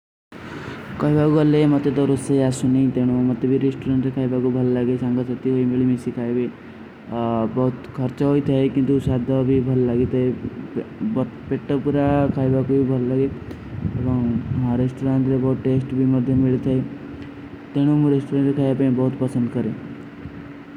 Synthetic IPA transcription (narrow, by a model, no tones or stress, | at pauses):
kɔjbakualemʌt̪et̪ɔɾoseasuneĩt̪eɽ̃umʌt̪ːebʱiɾesʈuɾaɳʈkʰajbakubʱəlɔlaɡesaŋɡasɔt̪iɦoimeɭimisikʰajbe | bɔɦut̪kʰəɾt͡ʃɔɦoit̪ʰaekint̪usad̪ʱɔbʱibʱəlɔlaɡet̪ʰəe | bpeʈːɔpuɾakʰajbakubibʱəlɔlaɡe | ebɔŋãɾesʈoɾãnt̪ɾebɔɦut̪ʈesʈbʱimʌd̪ʱjəmiɭit̪ʰae | t̪eɽ̃umũɾesʈoɾəɳʈkʰajapaĩbɔɦut̪pəsə̃nd̪kəɾe